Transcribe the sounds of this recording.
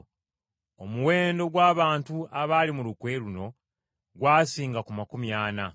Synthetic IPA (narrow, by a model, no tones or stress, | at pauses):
omuwe̞ːndo̞ɡwaːβaːntuaβaːlimulukwe̞luno̞ | ɡwaːsiːŋɡakumakumjaːna